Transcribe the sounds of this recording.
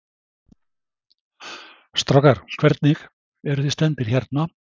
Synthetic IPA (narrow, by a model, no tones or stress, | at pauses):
st̪ɾɔkaɾ̥kʰvɛɾt̪nɪx | ɛɾʏθist̪ɛnt̪ɪɾ̥çaɾt̪na